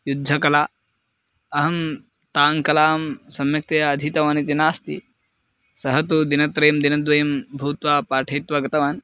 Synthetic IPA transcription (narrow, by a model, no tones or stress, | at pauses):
jud̪ʱːɐkɐlaː | ɐɦɐm | t̪aːŋkɐlaːmsɐmjɐk̚t̪ɐjaɐd̪ʱit̪ɐʋaːnit̪inaːst̪ḭ | sɐɦɐt̪ud̪inɐt̪ɾeːmd̪inɐd̪ʋɐjɐmbʱuːt̪ʋaːpaːʈʰɐjit̪ʋɐɡɐt̪ɐʋaːn